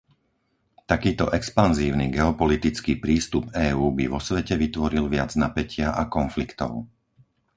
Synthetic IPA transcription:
t̪akiːt̪ɔʔɛkspanziːʊniɡɛɔpɔlit̪it͡skiːpɾiːst̪ubɛːuːbiʋɔsʋɛcɛʋit̪ʋɔɾilʋɪad͡znapɛcɪaʔakɔnflikt̪ɔ̰ʊ

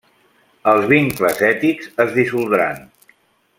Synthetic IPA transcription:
əlˠzβiŋkləzɛt̪ikzəzðisulˠd̪ɾa̰n

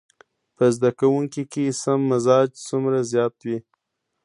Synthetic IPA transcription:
pəzd̪akawuŋkikesamːazɑd͡ʒt͡sumɾazjɑt̪wi

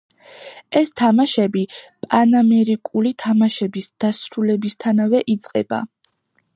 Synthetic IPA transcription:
ɛst̪ʰamaʃɛbipʼanamɛɾikʼulit̪ʰamaʃɛbisd̪̥asɾulɛbist̪ʰanavɛʔit̪sʼqʼɛ̰b̥a̰

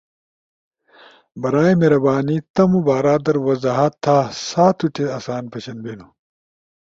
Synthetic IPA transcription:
bɐɾaːimeɾɐbaːnit̪ɐmubaːɾaːd̪ɐɾwɐzaːɦɐt̪ʰːaːsaːt̪ʰuʈeɐsaːnpɐɕɐnbenu

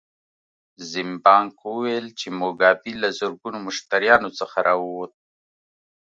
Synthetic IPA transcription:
zɪmbɑŋkwuwelt͡ʃemoɡɑbilazʊɾɡunomʊʃt̪aɾjɑnot͡səxaɾʔɑwwot̪̚

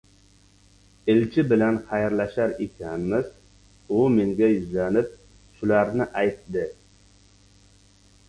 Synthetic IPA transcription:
ɪlt͡ʃʰɪbɪlanχajaɾlaʃaɾekʲʰanmɪz | ʊmeŋɡʲajyzlanɪp̚ | ʃʊlaɾnɪʔajt̪d̪ɪ

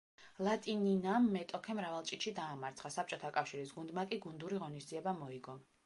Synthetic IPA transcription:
lˠat̪ʼininamːɛt̪ʼɔkʰɛmɾavalˠt͡ʃʼit̪ʃid̪aːmaɾt̪sʰχasap̚t͡ʃʼɔt̪ʰakʼafʃiɾisɡund̪makʼiɡund̪uɾiʁɔnisd̪ziɛbamɔiɡɔm

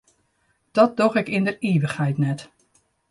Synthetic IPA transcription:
d̥ɔt̚doxɪkɪndəriːʋəxhɛjtnɛt

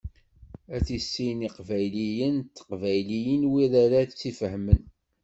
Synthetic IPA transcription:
æθisːiniqvæjlijənt̪ːə̥qvæjlijənwiɾaɾaθt͡sːifəɦmən

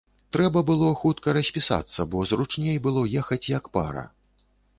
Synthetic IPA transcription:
t̪ɾɛbɐbɨlˠɔxut̪kɐɾɐsʲpʲisa̰t̪sːɐbɔzrut͡ʂnʲejbɨlˠɔjɛxɐt͡sʲjɐkpa̰ɾɐ̰

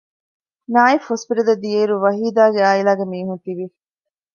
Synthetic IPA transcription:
naːifospiʈɐd̪ɐd̪ieːɾuʋɐɦiːd̪aːɡeaːilaːɡemiːɦunt̪iʋi

